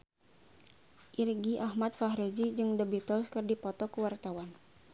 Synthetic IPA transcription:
ʔirɡiʔahmat̪̚faɦɾed͡ʒid͡ʒɨŋdəbit̪ɔlskərdipɔt̪ɔkəwart̪awan

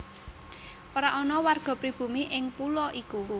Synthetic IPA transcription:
ʔɔɾaʔɔnɔwarɡ̥ɔ̤pɾib̥ṳmiʔɪŋpulɔʔiku

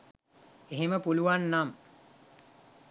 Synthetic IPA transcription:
eɦeməpuluʋanːam

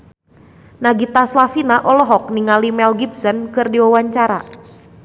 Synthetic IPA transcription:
naɡit̪aslafinaʔɔlɔɦɔk̚niŋalimɛlɡibsɔnkɨrdiwawaɲt͡ʃaɾa̰

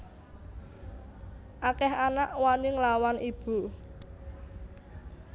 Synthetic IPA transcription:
ʔakɛɦanaʔwaniŋlawanʔib̥ṳ

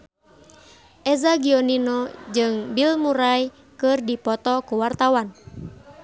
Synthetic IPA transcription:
ʔɛzaɡiɔninɔd͡ʒɨŋbilmuɾaj | kɨrdipɔt̪ɔkuwart̪awan

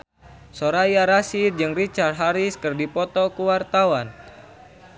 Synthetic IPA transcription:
soɾajaɾasird͡ʒɨŋrit͡ʃarɦaɾiskɨrdipɔt̪ɔkuwart̪awan

